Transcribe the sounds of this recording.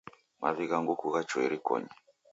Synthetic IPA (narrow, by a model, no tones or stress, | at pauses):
mʔaβiɣaŋɡukuɣat͡ʃɔiɾikɔ̰ɲɛ